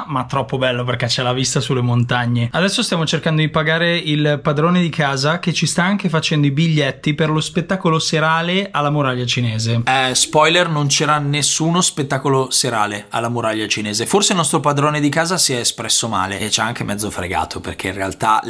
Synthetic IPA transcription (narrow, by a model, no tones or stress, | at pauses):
mat̪ːɾɔpːobɛlːop̬erk̟et͡ʃːɛlavist̪asulːemont̪aɲːead̪ɛsːost̪jamot͡ʃerkand̪od̪ipaɡaːɾeilpad̪ɾoːned̪ikʰaːzak̟et͡ʃist̪aaŋkefat͡ʃɛnd̪oibiʎːɛt̪ːiperlospet̪ːaːkoloseɾaːlealːamuɾaʎːat͡ʃineːzeɛspɔjlernont͡ʃɛɾanːesːuːnospet̪ːaːkoloseɾa̰ːlea̰lːamuɾaʎːat͡ʃineːzeforseilnɔst̪ɾopad̪ɾoːned̪ikaːzasiɛespɾɛsːoma̰ːlḛːt͡ʃaaŋkemʔɛd̪zːofɾḛɡa̰ːt̪ʰopḛrkʰeinrea̰lt̪a